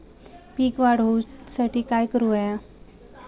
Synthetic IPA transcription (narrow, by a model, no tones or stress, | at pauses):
piːkʋaɽ̤owsaʈiːkajkəɾuaja